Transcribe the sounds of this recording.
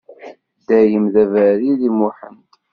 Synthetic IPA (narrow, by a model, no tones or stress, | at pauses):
d̪æjəmðævæɾiðimʊħənt